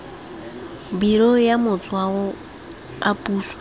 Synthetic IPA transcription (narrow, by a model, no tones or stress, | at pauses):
biɾɔjamʊt͡sʼwawɔ | apʼuːsḁ